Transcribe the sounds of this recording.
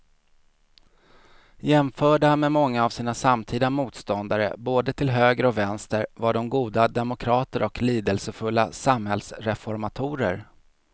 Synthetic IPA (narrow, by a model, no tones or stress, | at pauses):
jɛmfœːɖamɛmɔŋːaːvsiːnasamt̪ʰiːd̪amuːt̪st̪ɔnd̪aɾə̰boːd̪ət̪ʰɪlɦøːɡɾəɔvɛnst̪əɾvaɖɔmɡuːd̪ad̪ɛmʊkʰɾɑːt̪əɾɔkliːd̪əlsəfɵlːa̰samhɛlsɾɛfɔɾmat̪ʰuːɾə̰ɾ